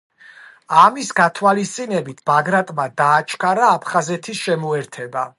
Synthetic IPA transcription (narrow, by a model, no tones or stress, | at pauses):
amisɡat̪ʰwalist̪sʼinɛbit̪ʰb̥aɡɾat̪ʼmad̪aːt͡ʃʰkʰaɾaːpʰχazɛt̪ʰisʃɛmuɛɾt̪ʰɛba